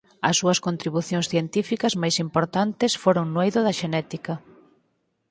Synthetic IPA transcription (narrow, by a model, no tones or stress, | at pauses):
ɐsːuɐskont̪ɾiβuθjõŋsθjent̪ifikɐzmajsimpoɾt̪ant̪ɪsfoɾoŋnwejðʊðɐʃenɛt̪ikɐ